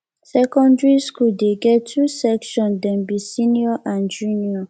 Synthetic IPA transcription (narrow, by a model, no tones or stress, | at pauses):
sɛkɔ̃ndɹiskuldeɡɛtʰusɛkʃɔ̃ndɛ̃nbisĩniɔʔãnd͡ʒũniɔ